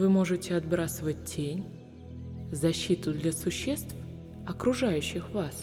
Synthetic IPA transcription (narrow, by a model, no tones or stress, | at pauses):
vɨmo̞ʐɨtʲɪɐd̪bɾasəvət̚ʲtːʲʰenʲ | zɐɕːit̪ʊd̪lʲɐsʊɕːe̞st̪f | ɐkɾʊʐajʉɕːɪxvas